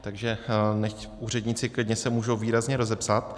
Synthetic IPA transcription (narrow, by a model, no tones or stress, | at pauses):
t̪aɡʒɛnɛ | uːr̝ɛdɲit͡sɪklɪdɲɛsɛmuːʒowviːɾazɲɛɾo̞zɛpsat̪